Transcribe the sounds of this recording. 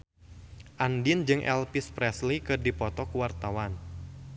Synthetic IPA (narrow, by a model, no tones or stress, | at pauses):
ʔandind͡ʒɨŋʔɛ̰lpispɾɛslikɨrdipɔt̪ɔkuwart̪awan